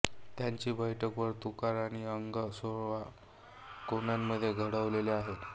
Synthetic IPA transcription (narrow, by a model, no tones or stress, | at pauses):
t̪jaɲt͡ɕiːbəjʈʰəkʋəɾt̪ukaɾaɽ̃iəŋɡəsoɭʋa | konamːəd̪ʱːjeɡʱəɽəʋleleaɦe